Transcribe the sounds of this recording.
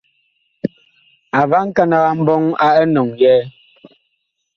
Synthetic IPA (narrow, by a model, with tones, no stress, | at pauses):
a˨va˦ŋ̩˦ka˦na˨ɣa˨m̩˦bɔ˦ŋa˦ɛ˦nɔ˨ŋjɛː˦